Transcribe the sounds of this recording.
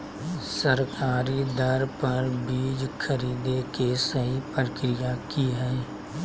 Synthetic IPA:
sɐɾkaːɾid̪ɐɾpɐɾbiːd͡ʒkʰəɾiːd̪ekesɐɦipɾəkɾijakiɦɛː

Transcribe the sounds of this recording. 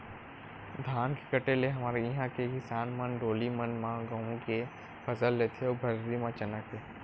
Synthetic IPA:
d̪ʱaːnkɪ̥kəʈeleɦɐmaːɾeɪɦãkekɪsaːnmɐnɖoːlimənmãɡɐ̃ɦũke | pʰɐsəlːet̪ʰeobʱɐɾɾimãt͡ʃɐnək̪̚eː

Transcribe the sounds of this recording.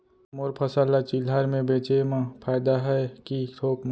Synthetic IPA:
moɾpʰəsalat͡ʃilɦaɾmẽbeːt͡ʃemãpʰaɪd̪aɦɛkit̪ʰoːkm

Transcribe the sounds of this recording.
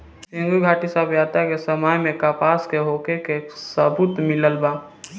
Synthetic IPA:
sĩŋɡuɡʱaːʈisaːbjaːt̪akesəmaːjmẽkaːpaːskeɦoːkekesəbut̪mɪləlbaː

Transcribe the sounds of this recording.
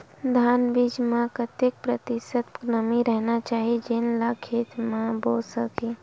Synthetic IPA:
d̪ʱaːnbid͡ʒmẽpɾət̪jek̚pɾət̪ɪsət̪nəmiɾəɦnat͡ʃaːɦid͡ʒɪnlakʰit̪mãbosəke

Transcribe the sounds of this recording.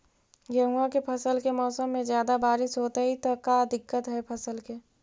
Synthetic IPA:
ɡɐɦuakepʰɐsəlkemɔːsəmːẽzjaːd̪abaːɾɪsɦoːt̪aɦit̪okad̪ɪkːət̪ɦɛpʰɐsəlkeː

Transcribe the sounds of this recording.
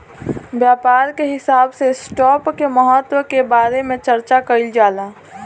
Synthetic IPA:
bjaːpaːɾkeɦɪsaːbsesʈɔːpkeməɦət̪wəkebaːɾemẽt͡ʃəɾt͡ʃakəɪld͡ʒaːlaː

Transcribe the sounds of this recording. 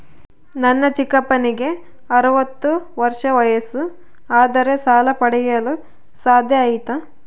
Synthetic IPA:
nɐnːɐt͡ʃikɐpːɐniɡe̞ | ɐɾuʋɐt̪ːuʋɐɾʂɐʋɐjɐsu | aːd̪ɐɾe̞saːlɐpɐɽɛjɐlu | saːd̪ʱjɐːjit̪ɐ

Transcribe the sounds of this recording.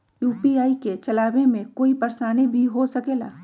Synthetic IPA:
juːpiaːiket͡ʃɐlaːwemẽkoːipəɾsaːnibʱiɦosɐkeːla̰ː

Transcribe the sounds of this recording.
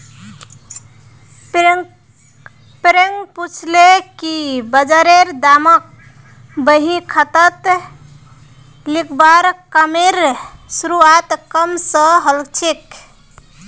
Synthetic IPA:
pɾeŋɡput͡ʃʰlekibəd͡ʒaɾeɾd̪amək̚ | bəɦĩkʰət̪ət̪ | likʰbaɾkəmeɾsuɾuat̪kəmsəɦəlkt͡ʃʰek

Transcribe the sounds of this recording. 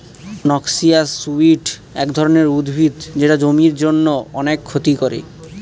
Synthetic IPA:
nɔksiasːuiʈɛkd̪ʱɔɾoneɾud̪bʱid̪d͡ʑeʈad͡ʑomiɾd͡ʑonːoɔnekʰːot̪ikoɾḛ

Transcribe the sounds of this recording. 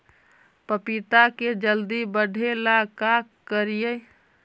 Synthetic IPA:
pəpit̪aked͡ʒəld̪ibəɖʱelakakːəɾijə

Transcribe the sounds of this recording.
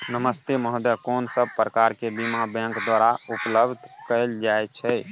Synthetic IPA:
nəməst̪eməɦd̪jəkonsəb̚pɾəkaɾkebimabɛ̃ŋkd̪waɾaupləbd̪ʱkəɪld͡ʒajt͡ʃʰɛ

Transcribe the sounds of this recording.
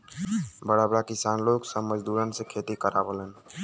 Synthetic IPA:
bəɽabɽakɪsaːnloksəməd͡ʒd̪uɾənsẽkʰet̪ikəɾabələn

